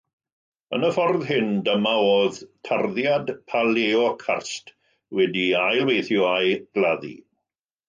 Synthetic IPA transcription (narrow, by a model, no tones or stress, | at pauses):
ə̰nəfɔrðɦɪndəmaoːðtʰarðjadpʰaleɔkʰa̰rst | wɛdiajlwejθjɔajɡ̥lˠaðḭ